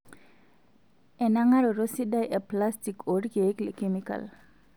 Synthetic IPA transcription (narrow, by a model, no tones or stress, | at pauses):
ʔɛnaŋaɾɔɾosiɗajʔɛplastikoɾɡeklɛkemika̰l